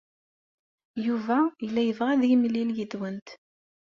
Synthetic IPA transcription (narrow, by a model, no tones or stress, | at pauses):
juvæjəlːæjəvʁæðimlːiljid̪wənt̪